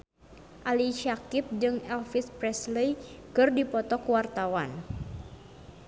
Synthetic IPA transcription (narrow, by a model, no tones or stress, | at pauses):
ʔaliʃakɪp̚d͡ʒɨŋɛlfispɾɛslejkɨrdipɔt̪ɔkuwart̪awan